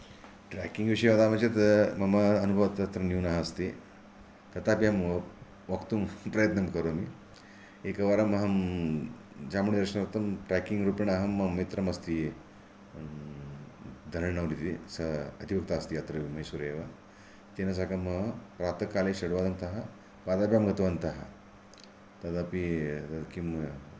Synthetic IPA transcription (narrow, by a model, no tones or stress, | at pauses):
ʈɾɛ̰ːkiŋɡʋiʂɐjʋaːd̪aːmɐt͡ʃɐt̪mɐmɐːnubʱɐʋɐt̪ɐt̪ɾɐnjuːnaɦɐst̪i | t̪ɐt̪aːpjam | ʋɐkt̪umpɾɐjɐt̪nɐmkɐɾoːmi | eːkɐʋaːɾɐmɐɦɐm | d͡ʒaːmuɳd̪ɐɾʂɐɳɐɾɐt̪ɐmʈɾɛːkiŋɡɾuːpɐɳaɦɐmːɐmit̪ɾɐmɐst̪i | d̪ʱɐɾɐɳɐʋwɽit̪isɐɐd̪ʱiʋɐk̚t̪aːst̪iɐt̪ɾɐʋimɐɦjsuɾeːʋɐ | t̪enɐs̬akɐmɐpɾaːt̪ɐkaːleʃɐɽʋaːd̪ɐmt̪ɐɦɐ | paːd̪aːpjaːmɡɐt̪ɐʋɐnt̪ɐɦɐ̰ | t̪ɐt̪aːpit̪ɐkim